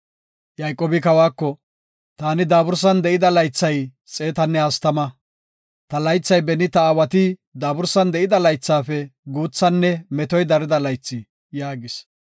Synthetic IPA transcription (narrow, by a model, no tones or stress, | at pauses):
jɐjkʼːoːbɪkɐwaːkːɔ | t̪aːnɪd̪aːbʊɾs̬ɐnd̪ɛʔɪd̪ɐlɐjt͡sːɐj | t͡sʼe̞ːt̪ɐnːɛhɐst̪ɐmɐ | t̪ɐlɐjt͡sːɐjbɛnɪt̪ɐaːwɐt̪ɪd̪aːbʊɾsɐnd̪ɛʔɪd̪ɐlɐjt͡sːaːfɛɡuːt͡sːɐnːɛmɛt̪ɔjd̪ɐɾɪd̪ɐlɐjt͡sːɪ | jaːɡɪs